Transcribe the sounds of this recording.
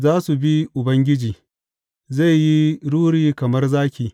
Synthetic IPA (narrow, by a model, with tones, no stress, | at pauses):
zaː˦su˨bi˦ʔʊ˨bɐ˦ŋɡʲɪ˦d͡ʒiː˨ | za˦˨jji˦ɽuː˦ɽiː˦kɐ˨mɐ˦rzaː˦kʲiː˨